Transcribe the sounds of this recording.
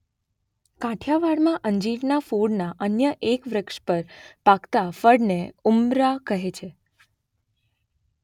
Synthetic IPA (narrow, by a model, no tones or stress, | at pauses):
kãʈʰjaʋaɽmãʔəɲd͡ʒiʈnafuɽnaʔənjəʔekʋɾəkʂpəɾpakt̪afəɽneumɾakəɦet͡ʃʰe